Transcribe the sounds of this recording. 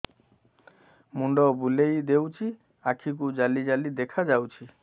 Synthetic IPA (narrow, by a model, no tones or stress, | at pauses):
muɳɖɔbulejd̪ewt͡ʃʰi | akʰik̬ud͡ʒalid͡ʒalid̪ekʰad͡ʒawt͡ʃʰi